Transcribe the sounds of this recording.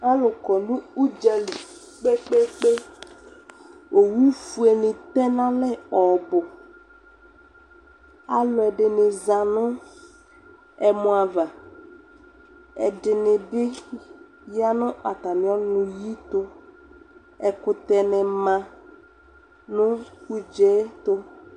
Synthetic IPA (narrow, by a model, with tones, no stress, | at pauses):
a˦lʊ˨kɔ˨nʊ̃˦u˦d͡ʒa˨li˨ | k͡pe˦k͡pe˦k͡pe˦ | o˨wu˦fu˨e˨nɪ̃˨t̪ɛ˦nã˦lɛ˦ɔ˨bʊ˨ | a˦lʊ˨ɛ˨ɖɪ˨nɪ˨zã˨nʊ̃˦ | ɛ˨mʊ̃˨˦a˨va˨ | ɛ̰˨dɪ˨nɪ̃˨ɖɪ˦ | ja˦nʊ̃˦ʔa˨t̪a˨mĩ˨˦ɔ˦nʊ̃˨ji˦t̪ʊ˦ | ɛ˨kʊ˨t̪ɛ˨nɛ˨mã˨ | nʊ̃˦ku˦d͡ʒɛ˦t̪ʊ˦